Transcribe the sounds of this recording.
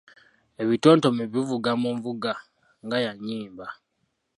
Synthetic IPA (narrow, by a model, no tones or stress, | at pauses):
e̞βito̞ːnto̞meβivuɡamuɱvuɡa | ŋɡajaɲiːmba